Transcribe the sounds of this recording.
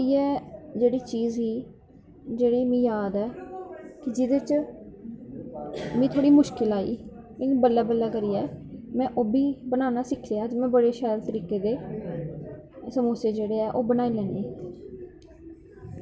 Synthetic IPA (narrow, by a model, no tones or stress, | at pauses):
ɪːɛːd͡ʒeːɽiːt͡ʃiːzɦiː | d͡ʒeːɽiːmĩːjaːd̪ɛːkɪd͡ʒɪd̪eːt͡ʃ | mĩːt̪ʰoːɽiːmʊʃkɪlaːḭː | mẽniːbəlːaːbəlːaːkəɾiːɛːmɛ̃ːʔoːbiːbənaːnaːsɪkʰːaːd͡ʒmɛ̃ːbəɽeːʃɛːlt̪əɾiːkeːd̪eː | səmuːseːd͡ʒeːɽeːɛːʔoːbənaːiːlɛ̃ːniː